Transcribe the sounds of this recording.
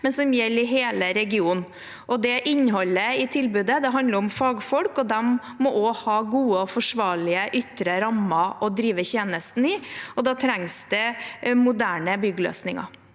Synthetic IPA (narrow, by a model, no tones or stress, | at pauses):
mɛnsɔmjɛlːɪɦeːləɾɛɡɪuːn | ʔɔd̪ɛʔɪɲːɦɔlːəɪt̪ʰɪlbʉːd̪əd̪ɛɦɑnd̪əɾʊmfɑːɡfɔlkɔd̪ɛmː | ɔʔɔhɑːɡuːəɔfɔʂʋɑːɭɪəʔʏt̪ɾəɾɑmːɑʔɔd̪ɾiːʋəçeːnəst̪n̩ɪɔd̪ɑːt̪ʰɾæŋsd̪̥ɛmʊd̪æːɳəbʏɡlø̰ːsnɪŋɑ̰